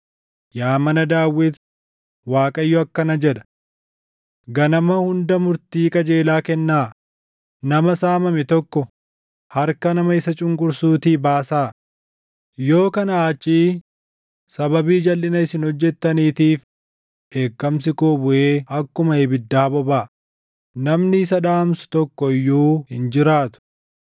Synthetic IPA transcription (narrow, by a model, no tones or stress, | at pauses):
jaːmɐnɐd̪aːwːɪt̪ | waːkʼɐjːɔɐkːɐnɐd͡ʒɛᶑ̪ɐ̥ | ɡɐnɐmɐhʊnd̪ɐmʊɾt̪iːkʼɐd͡ʒe̞ːlaːkɛnːaː | nɐmɐsaːmɐmɛt̪ɔkːɔ | hɐɾkɐnɐmɐɪsɐt͡ʃʼʊŋkʼʊɾsuːt̪iːbaːsaː | jo̞ːkɐnɐaːt͡ʃʼːiː | sɐbɐbiːd͡ʒɐlʔɪnɐɪsɪnhɔd͡ʒːɛt̪ːɐniːt̪iːf | ʔe̞ːkːɐmsɪkoːbʊʔeːɐkːʊmɐeːbɪd̪ːaːbɔbaː | nɐmnɪɪsɐᶑ̪aːmsʊ̥t̪ɔkːɔɪjːuːhɪnd͡ʒɪɾaːt̪ʊ̥